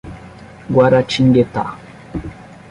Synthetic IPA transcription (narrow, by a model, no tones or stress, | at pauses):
ɡwaɾat͡ʃiŋɡeta̰